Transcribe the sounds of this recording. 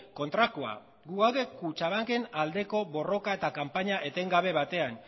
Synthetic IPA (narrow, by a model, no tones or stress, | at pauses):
ko̞nt̪ɾako̞a̰ | ɡuawðe̞kut͡ʃaβaŋke̞nald̪e̞ko̞βo̞ro̞kae̞t̪akampaɲaʔe̞t̪e̞ŋɡaβ̞e̞βat̪e̞an